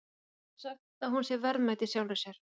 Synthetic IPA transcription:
sax | aðhunsjɛɾvɛɾðmajt̪ɪsjaːwnḁsjɛɾ̥

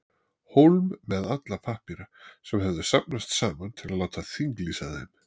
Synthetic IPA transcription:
howlmːɛðat̪lapʰahkniɾasɛmɦɛvðʏsap̚nast̪saːmant̪ʰɪlaðlaːwt̪aθiŋklisaðḛm

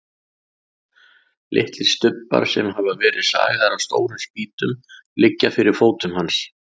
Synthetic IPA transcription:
lʔɪ̰ht̪lɪɾ̥st̪ʏpːa̰ɾ̥sɛmɦavavɛːɾɪðsa̰ːɣaɾawst̪o̰ːwɾʏmsp̚iːt̪ʏmlɪcːafɪɾɪɾ̥foːwt̪ʏmhans

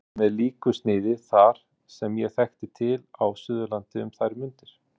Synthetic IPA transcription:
mɛðliːkʏst̪nɪːðɪθaɾ̥ | sɛmjɛɣθɛxt̪ɪt̪ʰɪlawsʏðʏlant̪ɪʏmθajɾɪmʏnt̪ɪɾ̥

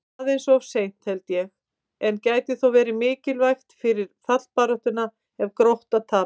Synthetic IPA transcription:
ðejnsɔɔvsejn̥t̪hɛlt̪jɛx | ɛncaːjt̪ɪθowvɛːɾɪmɪːcɪlvajxt̪fɪɾɪɾ̥θat̪l̥paːɾɔht̪ʏna | ɛvkɾowht̪aðt̪ʰaː

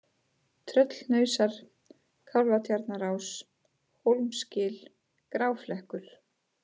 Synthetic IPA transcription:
t̪ʰɾœt̪lnœːɥsaɾ̥ | kʰawlvat̪ʰjaɾt̪naɾaːws | howlmscɪːl | kɾaːwflɛhkʏɾ̥

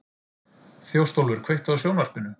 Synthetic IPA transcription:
θjowst̪owlvʏɾ̥kʰvejht̪aðasjownvar̥pɪnʏ

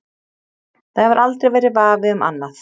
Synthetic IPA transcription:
θavaɾʔalt̪ɾejvɛjɾɪvaːvɪʏma̰nːaθ

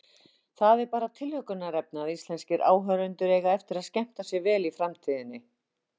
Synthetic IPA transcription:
θaðɛɾpaːɾat̪ʰɪlhœkʏnːaɾɛp̚nɪaðist̪lɛnscɪɾʔa̰ːwɦœɾʏnt̪ʏɾeːjɣaɛft̪ɪɾaðscɛm̥t̪asjɛɣvɛːlifɾamt̪ʰiːðɪnːɪ

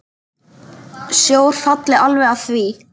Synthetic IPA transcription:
sjoːwɾ̥fat̪lɪalvɛɣaθvi

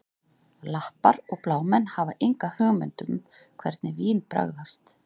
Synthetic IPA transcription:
lahpaɾɔɣplaːwmɛnːhavaʔejŋkahœɣmɛnt̪ʏmkʰvɛɾt̪nɪviːnpɾa̰ɣðast̪

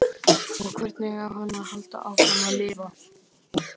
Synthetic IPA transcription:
ɔɣkʰvɛɾt̪nɪɣawhanːahal̥t̪a̰awhanːalɪːva

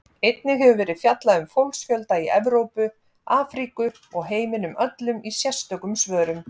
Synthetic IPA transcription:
ejt̪nɪɦɛvʏvɛːɾɪðfjat̪laʏmfowlksfjœlt̪aiɛvɾowpʏ | aːfɾikʏ | ɔɣɦeːjmɪnʏmʔœt̪lʏmisjɛ̥st̪œkʏmsvœːɾʏm

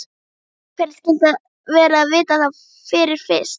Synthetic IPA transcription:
pʰɛnscɛnt̪a | vɛːɾaːvɪːt̪aθa | fɪɾɪɾ̥fɪst̪

